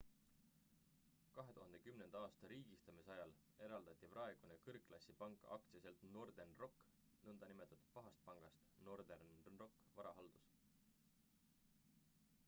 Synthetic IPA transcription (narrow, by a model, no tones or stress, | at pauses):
kɑɦe̞t̪uhɑnd̪̥e̞kymne̞nd̪̥ɑɑːst̪ɑɾiːɡ̥ist̪ɑmisɑjɑl | e̞ɾɑld̪ɑt̪ʲːˑiprɑeɡ̥unekɤrkːˑlɑsʲːipɑŋkˑɑ̰k̚t̪siɑse̞lt̪no̞rd̪̥enro̞kː | nɤnd̪ɑnimet̪ːˑɑt̪ːˑu̥d̪̥̚pɑɦɑst̪̚pɑŋɡ̥ɑst̪no̞rd̪ernro̞kːˑvɑɾɑɦɑld̪̥us